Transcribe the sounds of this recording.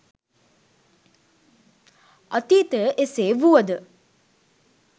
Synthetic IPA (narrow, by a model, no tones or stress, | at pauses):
ət̪iːt̪əəʔeseːʋuəd̪ə